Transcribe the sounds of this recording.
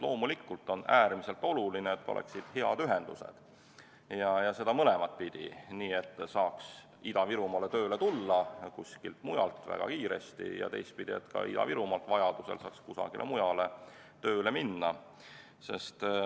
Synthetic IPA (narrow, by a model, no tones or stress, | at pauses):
lo̞ːmulikːˑult̪ːˑonæːɾmise̞lt̪ːˑo̞lulineet̪ːo̞̰ʔḛksid̪̥he̞ɑd̪yɦe̞nd̪̥usḛd̪̥ | jɑjɑse̞d̪̥ɑmɤle̞mɑt̪̚ˑpid̪̥ḭniːe̞t̪ːsɑːks | id̪ɑviɾumɑle̞t̪ø̞ːle̞t̪ulːɑkusʲkilt̪mujɑlt̪væ̰ɡ̥ɑ̰kiːɾe̞st̪ḭjɑ̰t̪e̞̰jst̪̚pid̪̥iet̪ːkɑ̰ḭd̪ɑ̰viɾumɑlt̪vɑjɑd̪̥use̞lsɑːkskusɑ̰ɡ̥ilʔḛmujɑle̞ | t̪ø̞ːle̞minːɑ | se̞st̪